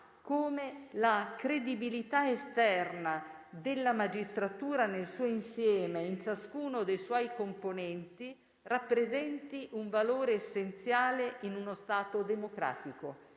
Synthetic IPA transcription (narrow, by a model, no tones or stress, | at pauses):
koːmelakɾed̪ibilit̪aest̪ɛrna | d̪elːamad͡ʒist̪ɾat̪uːɾanelsuːoinsjɛːmeint͡ʃaskuːnod̪ejswɔjkomponɛnt̪i | rapːɾezɛnt̪iʔuɱvaloːɾeːsːent̪sjaːleʔinunost̪aːt̪od̪emokɾa̰ːt̪iko